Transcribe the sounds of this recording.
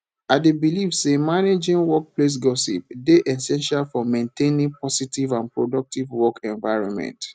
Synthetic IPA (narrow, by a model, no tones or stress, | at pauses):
aɪdebilivsemaned͡ʒĩnwɔk̚ples̬ɡɔsḭp̚deʔɛsɛ̃nʃalfɔmẽntenĩŋpɔsitivãnpɹodɔk̚tivwɔkɛ̃nvaɪɹɔ̰̃nmɛ̰̃nt